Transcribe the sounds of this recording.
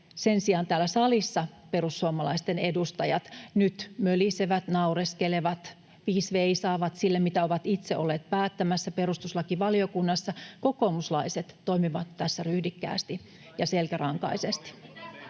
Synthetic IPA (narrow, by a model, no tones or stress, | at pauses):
sensiɑːnt̪æːlːæsɑlisːɑpe̞rusːuomɑlɑist̪ene̞dust̪ɑjɑt̪nyt̪møliseʋæt̪nɑureskeleʋɑt̪ | ʋiːsʋeisɑːʋɑt̪silːemit̪æoʋɑt̪it̪seʔo̞lːeːt̪̚pæːt̪ːæmæsːæperust̪uslɑkiʋɑlio̞kunːɑsːɑko̞koːmuslɑiset̪ːo̞imiʋɑt̪ːæsːæryhdikːæ̰ːst̪i | jɑselkærɑŋkɑ̰isest̪i̥